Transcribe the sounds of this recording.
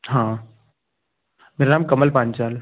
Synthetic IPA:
ɦãː | meːɾanaːmkɐməlpãːnt͡ʃaːl

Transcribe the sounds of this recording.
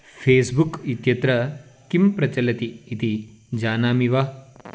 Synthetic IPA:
fʰeːsbukit̪jɐt̪ɾɐkimpɾɐt͡ʃɐlɐt̪iːt̪id͡ʒaːnaːmiʋaː

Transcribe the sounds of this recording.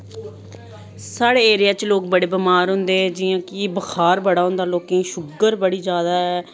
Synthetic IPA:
saːɽeːeːɾɪjaːt͡ʃloːk̚bəɽeːbəmaːɾɦʊ̃nd̪eːɛd͡ʒiːãːkɪbəxʰaːɾbəɽaːɦʊ̃nd̪aːloːkẽːʃʊɡəɾbəɽiːd͡ʒjaːd̪aːɛː

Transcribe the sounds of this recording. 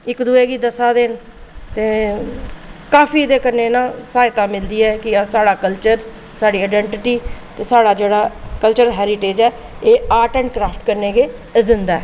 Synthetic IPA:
ɪkd̪uːeːɡiːd̪əsaːd̪en | t̪eː | kaːfʰiːd̪eːkəɾneːnãːsaːɪt̪ãːmɪld̪iːɛːkɪsaːɽaːkəlt͡ʃəɾ | saːɽiːaɪɖɛ̃ːɳʈɪʈiːt̪eːsaːɽaːd͡ʒeːɽaːkəlt͡ʃəɾɦɛːɾɪʈeːd͡ʒɛː | eːaːʈɛ̃ːɳkɾaːpʰʈkəɾneːɡeːzɪnd̪aːɛː

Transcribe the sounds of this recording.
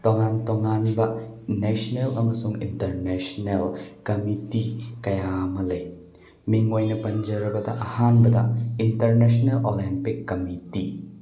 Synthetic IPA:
toŋantoŋanbɐnesnelɐmɐsuŋḭntɐɾnesnelkɐmitikɐjamɐlɐj | miŋojnɐpɐnd͡ʒɐɾɐbɐdɐʔɐhanbɐdɐ̰intɐɾnesnelʔolimpikːɐmiti

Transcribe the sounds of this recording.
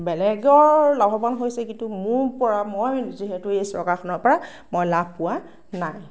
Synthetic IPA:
bɛlɛɡɔlabʱɔbanɦojsɛkintʊmʊɹpɔɹamojziɦɛtʊejsɹɔ̰kaxʰɔnɔɹpɔɹa | mojlab̚ʱpʊwa | naj

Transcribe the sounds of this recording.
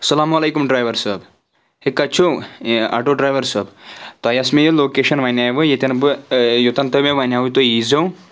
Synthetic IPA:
sɐlaːmɐlejkumɖɾajʋɐɾsɐːb | hekːɐt͡ʃʰoa̰ʈoɖɾaːjʋɐɾsɐːbt̪aːjɐsmejɐloːkeʃɐnʋanʲaːjʋɨjet̪ʲɐnbɨjot̪ɐnt̪ɐmeʋanʲaːut̪ojizɐw

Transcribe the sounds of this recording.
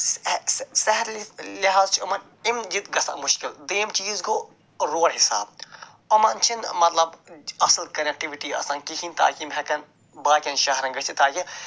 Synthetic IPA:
sɐɦɐɾliliɦaːzt͡ʃʰiɐmɐn | imd͡ʒit̪ɡɐsa̰mʊʃkild̪eːmt͡ʃiːzko | ɾoːɾɦɪsa̰ːb̚ | ɐmɐnt͡ʃʰinmɐt̪lɐbɐslkɐnek̚ʈiʋiʈiɐ̰saːnkikʰint̪a̰ːkimɦɛkɐn | baːkʲɐnʃɐɦɐɾɐŋɡɐt͡ʃʰit̪aːki

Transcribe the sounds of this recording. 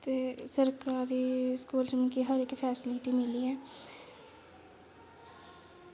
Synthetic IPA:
t̪esəɾkaːɾiɪskuːld͡ʒɪmkiɦəɾekfʰɛːsɪlɪʈimɪliɦɛː

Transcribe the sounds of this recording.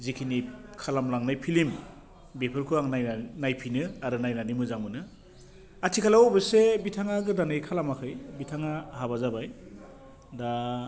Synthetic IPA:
zikʰinikʰalamlaŋnajpʰilim | bepʰɯɾkʰɯaŋnajanajpʰinɯaɾɯnajnanimɯzaŋmɯnɯ | atʰikʰalaɔbɯsebitʰaŋaɡɯdanɯjkʰalamakʰɯjbitʰaŋahabazabaj | da

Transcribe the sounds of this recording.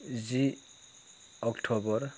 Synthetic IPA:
zi | ɔkʈʰɔbɔɾ

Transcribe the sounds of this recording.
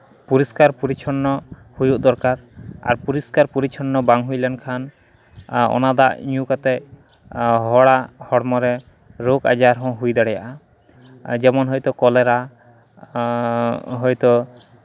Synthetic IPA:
puɾiskaɾpuɾit͡ʃʰɔnːɔ | hujuʔd̪ɔɾkaɾa̰ɾpuɾiskaɾpuɾit͡ʃʰɔnːɔbaŋɦujlɛnkʰan | ɔ̰nad̪a̰ʔɲukat̪ɛ | ɦɔɽahɔɽmɔɾɛ | ɾoka̰d͡ʒaɾɦɔ̃ɦujd̪aɽɛja̰ʔa | d͡ʒɛmɔnɦɔjt̪ɔkɔlɛɾa | ɦɔjt̪ɔ

